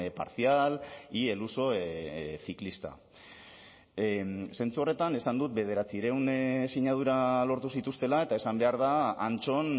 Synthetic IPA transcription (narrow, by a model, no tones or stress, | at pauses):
pa̰ɾθialie̞luso̞ | θiklist̪a̰ | se̞nt͡suo̞re̞t̪ane̞sand̪ut̪̚be̞ð̞e̞ɾat͡siɾe̞wnsiɲað̞uɾalo̞ɾt̪usit̪ust̪e̞lae̞t̪ae̞sambe̞aɾðaːnt͡so̞n